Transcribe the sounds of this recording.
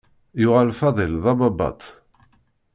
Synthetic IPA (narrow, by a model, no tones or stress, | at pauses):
jʊʁalfɑðˤəlðˤɑbɑbɑ̰t̪ˤ